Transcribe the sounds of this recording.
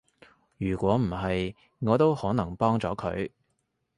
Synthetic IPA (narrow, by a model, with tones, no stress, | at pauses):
jyː˨˩kʷɔː˨˥m̩˨˩ɦɐ˨j | ŋɔː˨˧t̪o˥whɔː˨˥nɐ˨˩ŋpɔː˥ŋt͡sɔː˨˥kʰɵ̰˨˧˥ɥ